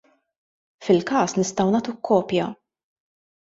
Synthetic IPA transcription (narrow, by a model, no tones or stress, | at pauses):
fɪlkɐːsnɪst̪ɐwnɐːt̪ukʰːɔːpjɐ